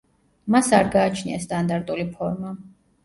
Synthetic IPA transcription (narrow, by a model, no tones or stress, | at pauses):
masaɾɡaːt͡ʃʰnḭast̪ʼand̪aɾt̪ʼulipʰɔɾma